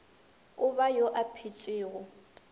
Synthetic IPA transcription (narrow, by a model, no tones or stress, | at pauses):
ʊbajoʔapʰit͡ʃʼɪːɣʊ